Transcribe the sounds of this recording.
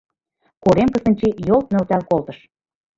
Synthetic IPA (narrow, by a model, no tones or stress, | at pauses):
koɾemkə̆sə̆nʲt͡ɕijolˠt̪̚nø̆lt̪ælkolt̪ɤ̆ʃ